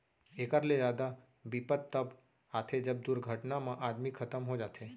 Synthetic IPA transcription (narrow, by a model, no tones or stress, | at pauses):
ekəɾled͡ʒaːd̪a | bipət̪ːəb | aːt̪ʰed͡ʒəb̚d̪uɾɡʱəʈnamãʔaːd̪mikʰːət̪əmɦod͡ʒaːt̪ʰe